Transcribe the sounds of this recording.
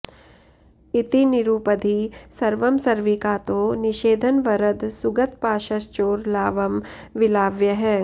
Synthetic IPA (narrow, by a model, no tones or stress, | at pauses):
it̪iniɾuːpəd̪ʱisɐɾʋɐmsɐɾʋikaːt̪oːnɪʃeːd̪ʱənʋɐɾɐd̪sʊɡɐt̪̚paːʃɐst͡ʃoːɾlaːʋɐmʋɪlaːʋjɐɦɛː